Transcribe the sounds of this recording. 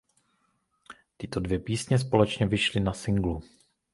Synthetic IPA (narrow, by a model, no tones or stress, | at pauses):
t̪ɪt̪o̞dvjɛpiːsɲɛs̬po̞lɛt͡ʃɲɛvɪʃlɪnasɪŋɡlu